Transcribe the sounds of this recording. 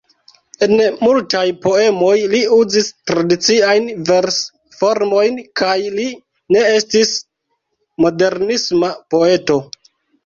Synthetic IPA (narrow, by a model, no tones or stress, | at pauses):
e̞nmultajpo̞e̞mo̞jliuzistɾadit͡siajnveɾs | fo̞ɾmo̞jnkajli | ne̞estis | mo̞de̞ɾnismapo̞e̞to̞